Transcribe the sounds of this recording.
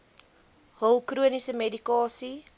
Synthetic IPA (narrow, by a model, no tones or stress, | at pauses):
ɦəlˠkruənisəmedikɑːsi